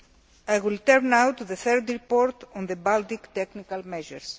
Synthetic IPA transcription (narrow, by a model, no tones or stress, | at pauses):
ajwilt̪ɛɾnawt̪ːuðəθɛɾd̪ɾipoɾt̪ɔ̃nðəbalt̪ikt̪ɛknikalmɛʒə̰ɾs